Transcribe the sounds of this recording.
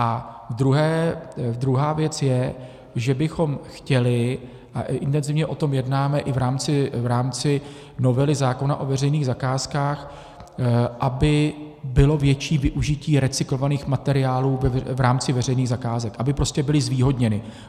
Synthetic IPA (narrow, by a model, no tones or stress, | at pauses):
ʔa | vd̪ɾuɦɛːd̪ɾuɦaːvjɛt͡sjɛ | ʒɛbɪxo̞mxcɛlɪ | ʔaʔʔɪnt̪ɛnzɪvɲɛʔo̞t̪o̞mjɛdnaːmɛʔɪvɾaːmt͡sɪvɾaːmt͡sɪ | no̞vɛlɪzaːko̞naʔo̞vɛrɛjniːɣzakaːskaːx | ʔabɪ | bɪlo̞vjɛt͡ʃiːvɪʔuʒɪciːɾɛt͡sɪklo̞vaniːxmat̪ɛɾɪaːluːvɛvɾaːmt͡sɪvɛr̝ɛjniːɣzakaːzɛkʔabɪpɾo̞scɛbɪlɪzviːɦodɲɛnɪ